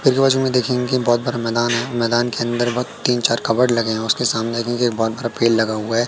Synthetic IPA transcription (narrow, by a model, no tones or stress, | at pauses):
pɪɾkebaːt͡ʃumẽd̪eːkʰẽŋɡkibɔːt̪̚bɐɾamɛːd̪aːnɦɛmɛːd̪aːnkeɐ̃nd̪əɾbɐːt̪ːiːnt͡ʃaːɾkɐbəɽlɐɡeɦɛ̃ɔʊskesaːmned̪eːkʰẽŋkieːkbɔːt̪̚bɐɾapeːllɐɡaɦuaɦɛː